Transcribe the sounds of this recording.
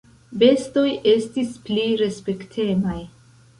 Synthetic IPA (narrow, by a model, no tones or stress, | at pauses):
be̞sto̞je̞stispliɾe̞spe̞ktʰe̞maj